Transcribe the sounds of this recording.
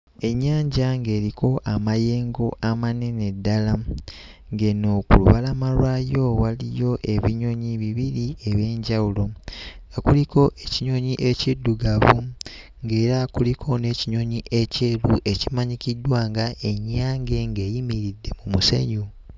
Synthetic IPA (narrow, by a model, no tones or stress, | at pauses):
e̞ɲːaːɲɟaŋɡe̞ːɾiko̞ʔamaje̞ːŋɡo̞ʔamanene̞dːala | ŋɡeno̞ːkṵlṵβalamalwaːjo̞walijo̞ʔe̞βiɲo̞ɲiβiβiɾie̞βje̞ːɲɟawulo̞ŋɡakuliko̞ʔeciɲo̞ɲiʔe̞cidːuɡaβu | ŋɡe̞ːɾakulikʰo̞ne̞ːciɲo̞ɲiʔe̞ce̞ːluʔe̞cimaɲikidwaːŋɡaʔe̞ɲːaːŋɡe̞ŋɡe̞ːjimiɾidːe̞mumuse̞̰ɲu